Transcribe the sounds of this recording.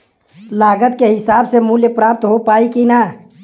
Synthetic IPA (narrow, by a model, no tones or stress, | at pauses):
laːɡət̪keɦɪsaːbsemuːljəpɾaːp̚t̪ɦopaːikina